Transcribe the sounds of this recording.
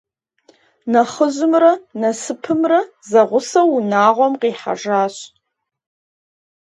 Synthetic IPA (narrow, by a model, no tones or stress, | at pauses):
naχəʒɪmranasɨpʰɨmra | zaʁʷʊsaunaːʁʷamqʼiːħa̰ʐaːɕ